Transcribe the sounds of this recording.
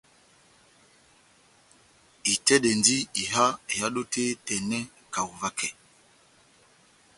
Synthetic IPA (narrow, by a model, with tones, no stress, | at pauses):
i˨tɛ˦ɗɛ˨ndi˦i˨ɦa˦e˨ja˦ɗo˦te˦tɛ˨nɛ˦ | ka˨u˨va˦kʰɛ˨